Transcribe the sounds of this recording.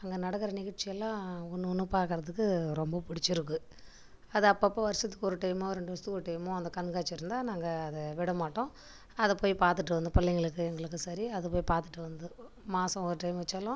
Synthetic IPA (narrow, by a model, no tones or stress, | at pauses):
ɐŋɡɐnɐɽɐkːɯɾɐnɪɣɐʈt͡ʃːɪjɛlːãːɔnːɯɔnːɯpaːɾkɯɾɐðɯkːɯɾɔmbɐpʊɽɪt͡ʃːɪɾɯk̬ːɯ | ɐðɯɐpːɐːpːɐ̃ːʋɐɾɪsɐt̪ːɯ̥kːɔɾɯʈɐɪmoːɾɛɳɖɯʋɐst̪ɯɔɾɯʈːɐɪmõːɐnd̪ɐkɐɳɡaːt͡ʃːɪɾɯnd̪aːnaːŋɡɐːðɛʋɪɽɐmaːʈːõː | ɐðɛpoːjipaːɾt̪ɯʈːɯʋɐnd̪ɯpɐɭːɛŋɡɐɭɯkːɯɛŋɡɐɭɯkːɯsɐɾiɐðɯpoːjipaːɾt̪ɯʈːɯʋɐnd̪ɯ | maːsɐ̃ɔɾɯʈɐɪmʋɐt͡ʃːaːlõ